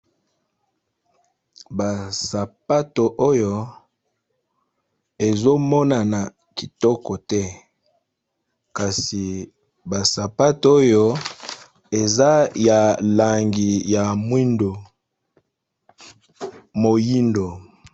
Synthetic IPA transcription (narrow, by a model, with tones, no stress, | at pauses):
ba˨sa˨pa˦to˨ʔo˦jo˦˨ | e˨zo˦mɔ˦na˨na˨ | ki˨tɔ˦kɔ˨tɛ˦ | ka˨si˨ | ba˨sa˨pa˦to˦jo˦ | e˨za˦ja˨la˨ŋɡi˨ja˨mwi˦ndo˨ | mo˨ji˦ndo˨